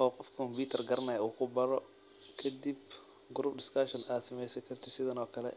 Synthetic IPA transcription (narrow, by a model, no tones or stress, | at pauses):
ʔɔːqɔfkʰɐkʰɔmbiːt̪ʰɐrɡɐɾnaːjuːkʰʊbɐɾɔ | kʰɐd̪ib | ɡʊɾubd̪ɪskɐʃɔnʔaːsɐmɛjsɐkʰɐrt̪ʰɪsɪðɐnɔːkʰɐlɛ̰